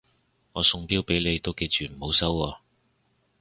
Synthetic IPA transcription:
ŋɔː˨˧sʊ˧ŋpiː˥wpe˨˥jle˨˧jt̪o˥wke˧jt͡ʃyː˨m̩˨˩ho˨˧˥wsɐ˥wɔː˧

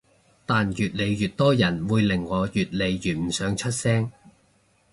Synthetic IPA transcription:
t̪aː˨njyː˨˩t̚le˨˧jjyː˨˩t̚t̪ɔː˥jɐ˨˩nwuː˨˧jlɪ˨˩ŋːɔː˨˧jyː˨t̚le˨˧jjyː˨˩n̚m̩˨˩sœː˨˧ŋt͡ʃʰɵ˥t̚sɛː˥ŋ

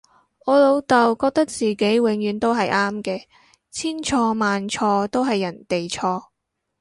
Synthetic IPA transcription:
ɔː˨˧lo˨˧wt̪ɐ˨˩wkɔː˧k̚t̪ɐ˥k̚t͡siː˨ke˨˥jwɪ˨˥ŋjyː˨˥nt̪o˥wɦɐ˨jʔaː˥mkɛː˧ | t͡sʰiː˥nt͡ʃʰɔː˧maː˨nt͡ʃʰɔː˧t̪o˥wɦɐ˨jːɐ˨˩nt̪e˨jt͡ʃʰɔː˧

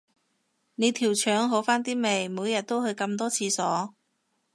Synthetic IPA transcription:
ne˨˧jt̪ʰiː˨˩wt͡ʃʰœː˨˥ŋɦo˨˥faː˥nt̪iː˥me˨˩jmuː˨˧jɐ˨t̚t̪o˥whɵ˧ɥkɐ˧mt̪ɔː˥t͡sʰiː˧sɔː˨˥

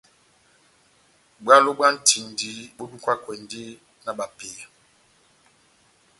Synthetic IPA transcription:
ɡ͡ba˦lo˦ba˦n̩˦ti˨n˨di˨˦ɓo˦bi˦kwa˦kwɛ˨ndi˦ | na˨ɓa˨peː˨

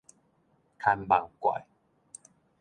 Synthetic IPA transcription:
kʰa˧nba̰˨˩ŋkwa̰˨j

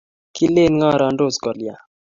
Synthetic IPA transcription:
ki˦le˦nŋɔ˦ɾɔ˨ndo˦˨skɔ˨lja˨

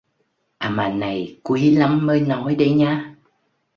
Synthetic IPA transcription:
ʔaː˨˩maː˨˩na˨˩jkwi˨˦la˨˦mːəː˧jnɔ˨˦jɗə˧˦jɲaː˧

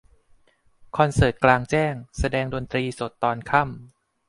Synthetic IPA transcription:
kʰɔ˧nsɤː˨˩t̪̚klaː˧ŋt͡ɕɛː˥˩ŋsa˧dɛː˧ŋdo˧nt̪ɾiː˧so˨˩t̪ːɔː˧nkʰa˥˩m

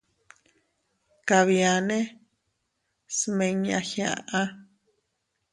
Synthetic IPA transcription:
ka˨βja˨nẽ˦ | smẽ˧ɲã̰˧xĩã̰˧ʔã˦

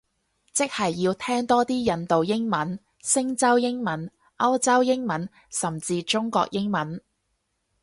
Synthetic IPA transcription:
t͡sɪ˥k̚hɐ˨jːiː˧wt̪ʰɛː˥ŋt̪ɔː˥t̪iː˥jɐ˨˧nt̪o˨wjɪ˥ŋmɐ˨˥n | sɪ˥ŋt͡sɐ˥wjɪ˥ŋmɐ˨˥n | ʔɐ˥wt͡sɐ˥wjɪ˥ŋmɐ˨˥n | sɐ˨˩mt͡siː˧t͡ʃʊ˥ŋkɔ̰ː˧k̚jɪ˥ŋmɐ˨˥n

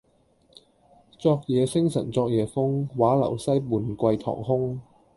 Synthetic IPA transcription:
t͡sɔː˧k̚jɛː˨˧sɪ˥ŋsɐ̰˨˩nt͡sɔː˧k̚jɛː˨˧fʊ˥ŋwaː˨˥lɐ̰˨˩wsɐ˥jmuː˨˩nkʷɐ˧jt̪ʰɔ̰ː˨˩ŋɦʊ˥ŋ

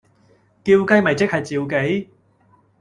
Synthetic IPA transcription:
kiː˧wkɐ˥jmɐ˨jt͡sɪ˥k̚hɐ˨jt͡siː˨˧wke˨˥j

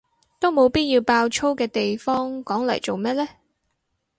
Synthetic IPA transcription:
t̪o˥wmo˨˧wpiː˥t̚jiː˧wpaː˧wt͡ʃʰo˥wkɛː˧t̪e˨jfɔː˥ŋkɔː˨˥ŋlɐ̰˨˩jt͡so˨wmɛː˥t̚lɛː˥

